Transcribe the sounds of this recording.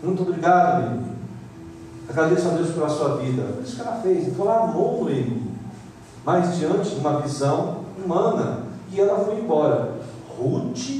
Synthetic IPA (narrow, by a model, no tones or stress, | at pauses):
mũj̃t̪obɾiɡad̪ʊḭ | aɡɾad̪esʊad̪ewspelɐsuɐvid̪ɐ̰pʊɾisʊ̥kɛlɐfejzet̪olanumovʊɾẽmi | majzd͡ʒiɐ̃nt͡ʃɪũmɐvizɐ̃w̃umɐ̃nɐ̰ɪɛlɐfojẽbɔɾɐ | hut͡ʃi